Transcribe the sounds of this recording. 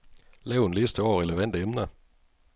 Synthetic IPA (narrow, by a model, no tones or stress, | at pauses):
leʊnliːst̪ʰəɑːʁɪləvɛnd̪əɛmnə